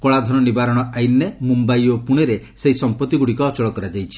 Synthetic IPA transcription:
kɔɭad̪ʱɔnɔnibaɾɔɽ̃ɔajnːemumbajopuɽ̃eɾe | seɦisɔmpɔt̪ːiɡuɽikɔɔt͡ʃɔɭɔkɔɾad͡ʒajt͡ʃʰi̥

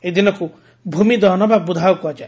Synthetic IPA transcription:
ed̪inɔku | bʱumid̪ɔɦnɔbab̚bud̪ʱawɔkuɦad͡ʒae

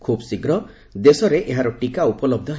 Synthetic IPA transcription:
kʰubɔsiɡɾɔ | d̪esɔɾeʔeɦaɾɔʈikaupɔlɔb̚d̪ʱɔɦ

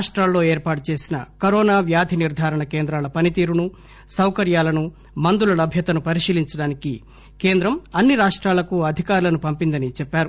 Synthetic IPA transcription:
ʂʈɾaːlːo̞ːeːɾpaːʈut͡ʃe̞ːsinɐ̰kɐɾɔːnaːʋjaːd̪ʱiniɾd̪ʱaːɾɐɳɐke̞ːnd̪ɾaːlɐpɐnit̪iːɾunu | sɐwkɐɾjaːlɐnu | mɐnd̪ulɐlɐbʱjɐt̪ɐnupɐɾiʂiːliɲt͡ʃɐɽaːniki | ke̞ːnd̪ɾɐmɐnːiɾaːʂʈɾaːlɐkuɐd̪ʱikaːɾulɐnupɐmpind̪ɐnit͡ʃɛpːaːɾu

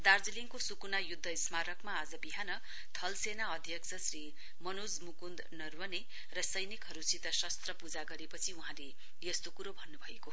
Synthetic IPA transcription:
d̪ard͡ziliŋkosukunajud̪ʱːʌismaɾʌkmaːd͡zʌbiɦanʌ | t̪ʰʌlsenaʌd̪ʱjʌkt͡sʰʌsri | mʌnod͡zmukund̪nʌrwʌne | rʌsʌjnikɦʌɾusit̪ʌsʌst̪rʌpud͡zaɡʌɾepʌt͡sʰiuɦãle | jʌst̪okuɾobʱʌnːubʱʌeko

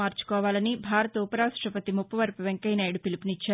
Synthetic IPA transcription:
aːɾt͡ʃu̥kɔːʋaːlɐnibʱaːɾɐt̪uːpɐɾaːsʈɾɐpɐt̪imupːɐʋɐɾpuʋeŋkɐjnaːjɽupilipinit͡ʃːaː

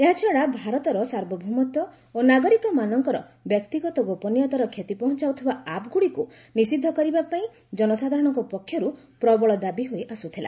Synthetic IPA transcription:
eɦat͡ʃʰɔɽabʱaɾɔt̪ɔɾɔsaɾbɔbʱumɔt̪ɔ | onaɡɔɾikɔmanɔŋkɔɾɔ̰ | bjɔk̚t̪iɡɔt̪ɔɡopɔnijɔt̪ɔɾɔkʰet̪ipɔɦɔ̃nt͡ʃawt̪ʰibaapɡuɽiku | nisid̪ʱːɔkɔɾibapaĩ | d͡ʒɔnɔsad̪ʱaɾɔɽ̃ɔŋkɔpɔkʰːjɔɾu | pɾɔbɔɭɔd̪abiɦojʔasut̪ʰila̰

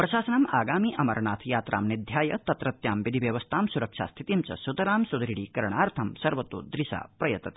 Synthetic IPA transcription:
pɾɐʃaːsɐnɐmaːɡaːmiːʔɐmɐɾɐɳaːt̪ʰjaːt̪ɾʔa̰ːmnid̪ʱjaːjɐt̪ɐt̪ɾɐt̪jaːmʋid̪ʱiʋjɐʋɐst̪ʰaːmsuɾɐkʂa̰ːst̪ʰit̪imt͡ʃɐ̰sut̪ɐɾaːmsud̪ɾiɽiːkɐɾɐɳ̃aːɾt̪ʰɐmsɐɾʋɐt̪oːd̪ɾiʃa̰ːpɾɐjɐt̪ɐt̪ː

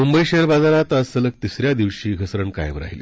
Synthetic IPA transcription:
mumbəjɕeəɾbad͡zaɾat̪əsələk̚t̪isɾjad̪iʋɕiːɡʱəsɾəɳka̰jʋɾa̰ɦilḛ

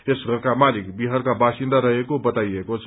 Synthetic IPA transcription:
esɡʱʌɾkamalikbiɦʌɾkabasind̪aɾʌɦekobʌt̪ajekot͡sʰʌ

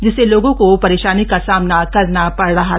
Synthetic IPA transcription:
d͡ʒɪseloːɡõkopɐɾeːʃaːnikasaːmnakɐɾnapɐɽɾɐɦa

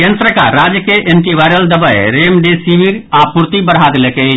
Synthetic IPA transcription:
ẽnsɾəkaɾaːd͡ʒjəkeʔeɳʈiʋaːɪɾəld̪əbəeɾeːmɖesiːʋiɾaːpʊɾt̪ibəɽ̤ɦaːd̪leke

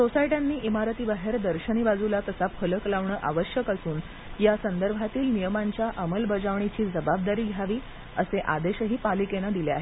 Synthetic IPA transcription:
sosaiʈanːiːʔimaɾt̪iːbaɦeɾd̪əɾɕəɽ̃ibad͡zulat̪əsafələklaʋɳəːʔaʋəɕjəkasuːn | jasənd̪əɾbʱat̪iːlnijəmaɲt͡ɕjaʔəməlbəd͡ʑaʋɳ̃it͡ɕiːd͡zəbab̚d̪aɾiːɡʱjaʋiː | əseʔa̰d̪eɕəɦiːpalikenad̪ilea̰ɦe

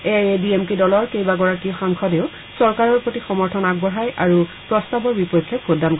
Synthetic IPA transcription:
ebiemkidɔlɔɹkejbaɡɔɹakiɔxaŋkʰɔdeʊ | sɔɹkaɹɔɹpɹotixɔmɔɹtʰɔnaɡ̚bɔɦajʔaɹupɹɔstabɔɹbipɔjkʰːjɔkxodʱːankɔ

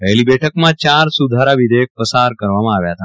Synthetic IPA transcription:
ʋɛɦlibɛʈʰəkmãt͡ɕaɾsud̪ʱaɾaʋid̪ek̚pəsaɾkəɾʋamãːʋjat̪a

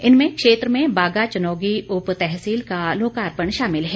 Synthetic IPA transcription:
ɪnmẽkʃeːt̪ɾəmẽbaːɡat͡ʃɐnɔːɡiʊpt̪ɛɦsiːlkaloːkaːɾpəɳʃaːmɪlɦɛː

